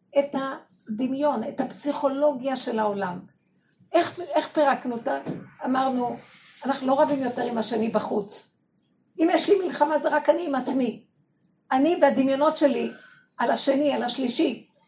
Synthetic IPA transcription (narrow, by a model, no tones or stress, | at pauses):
eta | d̪imjo̞ne̞thapsiχo̞lo̞ɡjaʃe̞lao̞lam | ʔeχeχpeʁaknutanamaʁnu | anaχnulo̞ʁavimjo̞teʁimaʃenibaχut͡s | imjɛʃlimilχamazeʁakaniimat͡smi | aniveadimjono̞tʃe̞li | alaʃenialaʃliʃi